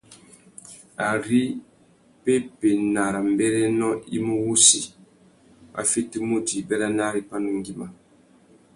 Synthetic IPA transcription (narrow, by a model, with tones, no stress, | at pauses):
a˨ɾi˦ | pe˦pe˨na˨ɾa˨m˨bɛ˦ɾɛ˦nɔ˦ḭ˦mu˦wu˦si˦ | a̰˨fi˦ti˦mu˦di˨bɛ˦ɾa˦na˦ɾi˦pa˦nu˨ŋɡi˦ma˨